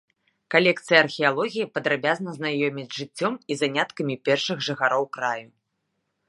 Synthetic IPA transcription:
kalʲɛkt̪sɨjɐːrxʲijalˠɔɣʲijipɐd̪ɾabʲaznɐznajɔmʲit͡sʲʐɨt͡sʲːɔmizanʲat̪kɐmʲipʲɛrʂɨɣʐɨxaɾɔwkɾaju

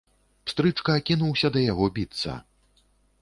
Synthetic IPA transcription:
pst̪ɾɨt͡ʂkɐːkʲinuwsʲɐd̪ɐjaɣɔbʲit̪sɐ̰

